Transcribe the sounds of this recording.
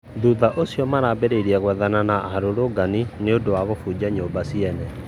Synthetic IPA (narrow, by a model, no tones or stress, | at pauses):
ðuðaʔosjɔmaɾabeɾeɾiɛɣwɛðananaʔaɾoɾoɡanineondowaɣofud͡ʑaɲoːmbasiɛnɛ